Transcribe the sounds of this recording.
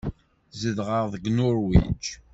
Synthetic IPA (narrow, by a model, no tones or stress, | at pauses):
zəðʁəʁðˤəɡnʊɾwḭd͡ʒ